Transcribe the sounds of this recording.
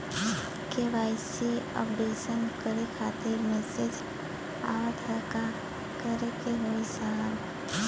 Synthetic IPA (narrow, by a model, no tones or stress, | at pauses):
keʋaɪseə̰bd̪eːsənkəɾekʰat̪eɾmɛsed͡ʒ | a̰ʋət̪ʰəɾka | kəɾekeɦoisaɦən